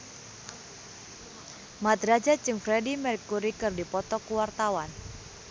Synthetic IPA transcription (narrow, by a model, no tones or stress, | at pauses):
mat̪ɾad͡ʒat͡ʃɨŋfɾɛdimɛɾikːuɾikɨrdipɔt̪ɔkuwart̪awan